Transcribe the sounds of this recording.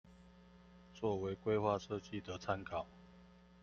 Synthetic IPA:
t͡swɔ˥˨we˨˦ɪkwe˥ɪxwa˥˨ʂɤ˥˧t͡ɕi˥˨d̪ə˨t͡sʰa˦nkʰɑ˨˩˦ʊ

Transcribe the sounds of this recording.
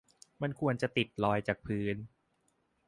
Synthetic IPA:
ma˧nkʰu˧ənt͡ɕa˨˩t̪i˨˩t̪̚lɔː˧jt͡ɕaː˨˩k̚pʰɯː˦˥n

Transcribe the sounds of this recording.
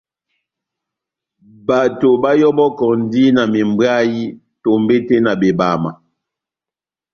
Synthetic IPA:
ba˨to˨ba˦jɔ˦bɔ˦kɔ˨n˦di˦na˨mi˨mbwa˦ji˦ | to˨mbe˦te˦na˨be˨ba˨ma˨

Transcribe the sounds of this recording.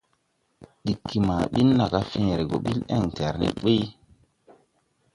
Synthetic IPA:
ɗi˨kʰːi˨maː˨ɓi˦nːa˨ka˦fẽː˦˨ɾe˨ɡo̰˨ɓi˦lḛ˦˨ŋtɛ˨ɾnḭ˨ɓe˦j

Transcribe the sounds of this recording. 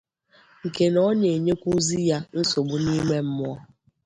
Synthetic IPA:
ŋ̩˨ke˨nɔ˦ɲe˨ɲe˦kʷu˦zi˦ja˦n̩˦so˨bu˦ni˦me˦m̩˦mʊ˦ɔ˦

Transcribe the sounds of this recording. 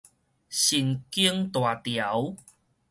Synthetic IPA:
ɕi˨˩nki˦əŋt̪wa˨˩t̪ja˨˦w

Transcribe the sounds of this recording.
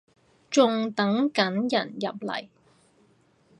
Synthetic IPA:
t͡ʃʊ˨˧ŋt̪ɐ˨˥ŋkɐ˨˥njɐ˨˩njɐ̰˨p̚lɐ̰˨˩j

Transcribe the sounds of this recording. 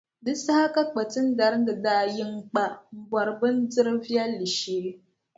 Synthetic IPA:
dɨ˦sa˦ha˦ka˦k͡pa˨tɨ˦n̩˦da˦ɾdɨ˨daː˦jɪ˦ŋ˦k͡pa˦m̩˨bɔ˨ɾɨ˨bɨ˦n˦dɨ˦ɾɨ˦vi˦ɛ˦lːi˨ʃeː˦

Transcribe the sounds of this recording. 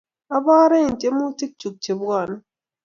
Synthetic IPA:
a˦baː˦ɾe˦˨n̩˨tʼe˦mu˦ti˦k̚t͡ʃu˨k̚t͡ʃe˨bɡa˦˨na˦

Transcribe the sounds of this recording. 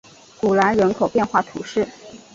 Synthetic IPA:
ku˨˩la˧˥nɻə˧˥nkʰo˨˩ʊpjɛ˥˧nxwa˥˩t̪ʰu˨˥˦ʂɻ̩˥˩

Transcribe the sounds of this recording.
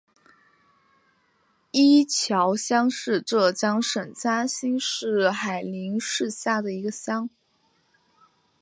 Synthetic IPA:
i˥t͡ɕʰjɑ˧˥ʊɕjɑ˥ŋʂɻ̩˥˧ʈ͡ʂɤ˥˩t͡ɕjɑ˥ŋʂə˨˩nt͡ɕja˥ɕi˥nʂɻ̩˥˩xa˨˩ɪli˧˥ŋʂɻ̩˥˧ɕja˥˩d̪ə˩i˧˥ɡə˧ɕjɑ˥ŋ

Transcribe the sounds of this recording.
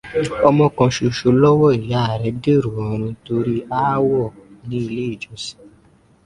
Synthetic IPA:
ɔ˧mɔ̃˧kɔ̃˧ʃo˨ʃo˧lɔ˦wɔ˦˨i˨ja˨˦˨ɾɛ˨˦de˦˨ɾu˨ɔ̃˨˧ɾ̃ũ˧to˧ɾi˦a˦wɔ˦˨nĩ˦i˧le˦i˦˨d͡ʒɔ˨˦si̥˦˨

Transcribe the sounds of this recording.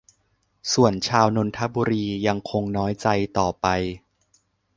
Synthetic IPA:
su˨˩ənt͡ɕʰaː˧wno˧nt̪ʰa˦˥buː˧ɾiː˧ja˧ŋkʰo˧ŋnɔː˦˥jt͡ɕa˧jt̪ɔː˨˩pa˧j

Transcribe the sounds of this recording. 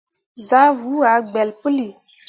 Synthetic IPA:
za˦vu˨˦a˨˦ɡ͡bɛ˨lpə˦li˨

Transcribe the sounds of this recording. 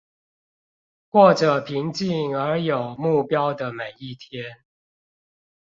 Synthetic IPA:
kwɔ˥˨˩ʈ͡ʂə˨˩pʰi˨˦ŋt͡ɕi˥˨ŋə˨˧˥jo˨˩ʊmu˥˩pjɑ˦ʊd̪ə˨me˨˩ɪi˥˨t̪ʰjɛ˦n

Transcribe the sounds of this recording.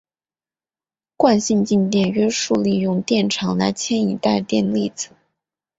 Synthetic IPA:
kwa˥˧nɕi˥˧nt͡ɕi˥˧nt̪jɛ˥˩nɥɛ˥ʂu˥˧li˥˧jʊ˥˩ŋt̪jɛ˥˩nʈ͡ʂʰɑ˧˥ŋla̰˧˥ɪt͡ɕʰjɛ˥ni˨˩t̪a˥˧ɪt̪jɛ˥˧nli˥˩t͡sɹ̩˨˩˦

